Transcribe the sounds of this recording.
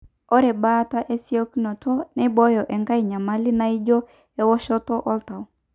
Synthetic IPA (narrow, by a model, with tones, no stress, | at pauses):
ɔ˦ɾɛ˨ba˦ta˦ʔe˦si˦o˦knɔ˨tɔ˦nɛ˦bɔ˦jɔ˨ʔɛ˨ŋka˦i˨ɲa˨ma˦li˦na˦i˦d͡ʒo˦ | ɛ˦wɔ˦ʃɔ˦tɔ˦ʔɔ˦lta˨w